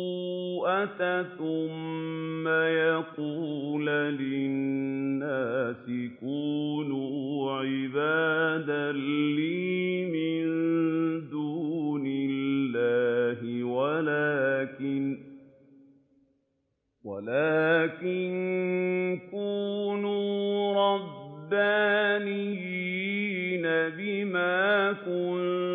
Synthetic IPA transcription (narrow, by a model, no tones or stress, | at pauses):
ʔat̪aθʊmː | ajaquːllɪnnːaːsɪkuːnuːʕɪbaːd̪aliːmɪn | d̪uːnɪllːaːɦɪwalaːkɪn | wa̰laːkɪn | kuːnuːɾˤɑbbbːaːnɪjii | nabɪmaːkʊn